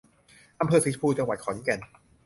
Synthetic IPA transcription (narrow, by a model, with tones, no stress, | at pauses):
ʔa˧mpʰɤː˧si˨˦˥pʰuː˧t͡ɕa˧ŋwa˨˩kʰɔː˩˦nkɛ˧˩n